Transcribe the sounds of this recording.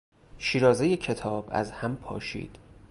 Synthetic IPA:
ʃiːɾɒːze̞jecʰe̞t̪ʰɒːbæ̰zhæmpʰɒ̰ːʃḭːd̪̥

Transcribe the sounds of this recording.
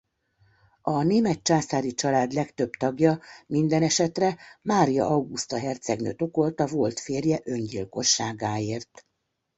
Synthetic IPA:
ɒneːmɛt̪̚t͡ʃaːsaːɾit͡ʃɒlaːd̪lɛkt̪ø̞bt̪ɒɡjɒmind̪ɛnɛʃɛt̪rɛmaːɾijɒ̰ʔɒwɡust̪ɒɦɛrt̪sɛɡnø̰ːt̪o̞ko̞lt̪ɒvo̞lt̪feːrjɛʔø̞nɟilko̞ʃːaːɡaːeːrt̪

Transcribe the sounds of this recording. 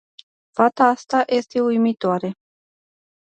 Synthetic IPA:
fat̪aast̪aʔjʔe̞st̪e̞ujmit̪oaɾe̞

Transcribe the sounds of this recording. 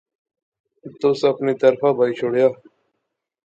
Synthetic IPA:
t̪ʊsəpniːt̪əɾfʰaːbʱaːiːt͡ʃʰoːɽjaː

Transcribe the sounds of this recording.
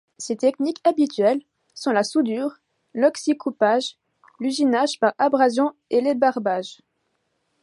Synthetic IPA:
set̪ɛknikabit̪ɥɛl | sɔ̃lasud̪yːʁ | lɔksikʰupaʒ | lyʒinaʒpaʁabʁazjɔ̃elebaʁbaʒ

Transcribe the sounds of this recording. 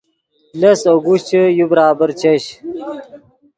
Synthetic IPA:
lɐsoɡuɕt͡ɕəjubɾaːbəɾt͡ɕɐɕ

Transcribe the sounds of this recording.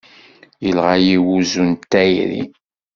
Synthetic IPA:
jəlʁajiwuzunt̪ːæjɾḭ

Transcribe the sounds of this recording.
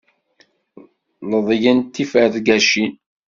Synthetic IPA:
ləðˤjænt̪ːifəɾðɡæʃin

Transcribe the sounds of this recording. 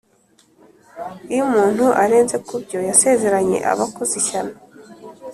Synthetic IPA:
ujumuːn̥huʔaɾe̞ːnze̞kubɟo̞jase̞ze̞ɾaɲe̞̰ʔa̰βakoziçana

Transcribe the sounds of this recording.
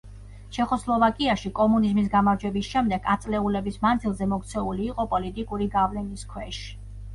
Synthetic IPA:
ʃɛχɔslˠɔvakʼiaʃikʼɔmunizmis̬ɡamaɾd͡ʒwɛbisʃɛmd̪ɛɡat̪sʼlɛulɛbismand̪zilˠzɛmɔkt̪sʰɛuliːqʼɔpʼɔlit̪ʼikʼuɾiɡavlɛniskʰwɛʃ

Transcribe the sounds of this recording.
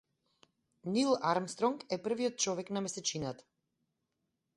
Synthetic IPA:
nilˠaɾmst̪ɾɔŋkɛpr̩viɔt̪̚t͡ʃɔvɛknamɛsɛt͡ʃinat̪ḁ

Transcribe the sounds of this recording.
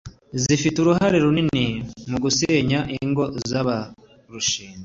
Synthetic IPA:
zifituɾuɦaɾeɾuninimuɡuseːɲaʔiŋɡo̞zaβa | ɾuʃiːnza

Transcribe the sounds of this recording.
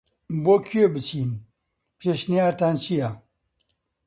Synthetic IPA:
bokʰiobɨt͡ɕʰiːn | peɕnijaːɾt̪aːnt͡ɕʰija

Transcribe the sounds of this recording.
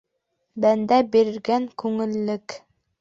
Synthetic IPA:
bænd̪æbiɾɘ̆ɾɡæŋkʉŋɘ̆lːɘk

